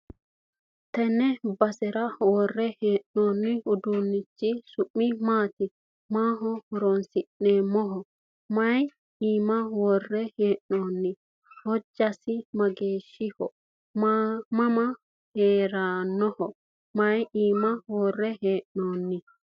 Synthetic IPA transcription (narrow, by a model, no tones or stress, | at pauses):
t̪ɛnɛbɐsɛɾɐwɔrːɛheːʔnoːnːɪʊd̪uːnːɪt͡ʃːɪsʊʔːɪmaːt̪ɪ | maːɦɔhɔɾɔnsɪʔːeːmːɔɦɔ | mɐj | iːmɐwɔrːɛheːʔnoːnːɪ | hɔd͡ʒːɐsɪmɐɡeːʃːɪhɔ | mamɐmɐ | heːɾanːɔhɔ | mɐjiːmɐwɔrːɛheːʔnoːnːɪ